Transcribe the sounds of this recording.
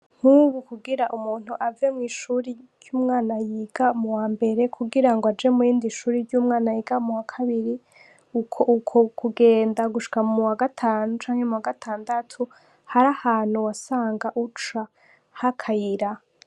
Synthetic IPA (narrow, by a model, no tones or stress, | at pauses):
ŋ̥huːβukuɡiɾaʔumuːn̥huʔavemŋiːʃuɾid͡ʒjuːmŋaːnajiːɡamuwaːmbe̞ɾe̞kʰuɡiɾaŋɡoad͡ʒe̞mujiːndiʃuːɾiɾɟuːmŋaːnajiːɡamuwakʰaβiɾi | ukʰoʔukʰokʰuɡe̞ːndaɡuʃi̥kamumuwaɡatʰaːnut͡ʃaːŋhe̞muwaɡatʰaːndatʰu | haɾahaːn̥huwasaːŋɡaʔut͡ʃa | hakʰajiɾa